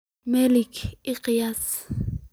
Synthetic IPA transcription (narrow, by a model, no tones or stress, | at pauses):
mɛlikiqjas